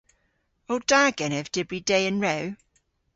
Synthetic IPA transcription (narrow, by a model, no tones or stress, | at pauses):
owd̥aːɡ̥ɛnɛvd̥ɪbɹideɪə̃nɹɛw